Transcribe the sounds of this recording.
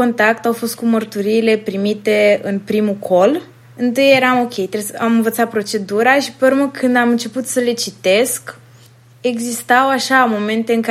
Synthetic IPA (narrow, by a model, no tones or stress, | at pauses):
ko̞nt̪ak̚t̪awfo̞st̪̚kumərt̪uɾiːle̞pɾimit̪e̞ɨnpɾimukʰo̞l | ɨnt̪ɨje̞ɾamo̞kʲe̞jt̪ɾesamɨnvət̪sat̪̚pɾo̞t͡ʃe̞d̪uɾaʃi̥pərməkʰɨnd̪amɨnt͡ʃe̞put̪səle̞t͡ʃit̪e̞sk | e̞ɡzist̪awaʃamo̞me̞nt̪e̞ɨŋka